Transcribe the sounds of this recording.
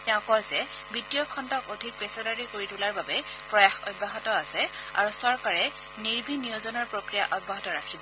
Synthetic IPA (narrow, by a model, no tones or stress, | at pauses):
tɛʊ̃kɔjzɛ | bitijɔkʰːɔntɔkodʱik̚pɛsadaɹikoɹitulaɹbabɛpɹɔjaxɔ̰tbʱaɦɔtɔasɛa̰ɹusɔɹkaɹɛ | niɹbʱiniɔzɔnɔɹpɹokɹijaʔɔbʱaɦɔtɔɹakʰibɔ